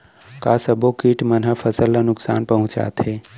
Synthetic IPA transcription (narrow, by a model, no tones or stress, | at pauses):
kaːsəbokiːʈmənɦəfʰəsəlːənʊksa̰ːnpəɦʊ̃t͡ʃa̰ːt̪ʰɦeː